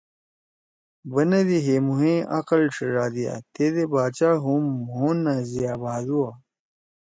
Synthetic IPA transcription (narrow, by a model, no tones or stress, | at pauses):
bɐnɐd̪iɦemuɦẽːʔɐqɐlʂəʐaːd̪ija̰t̪ed̪ebaːt͡ɕaːɦumɦũnɐzijjaːbaːd̪uwa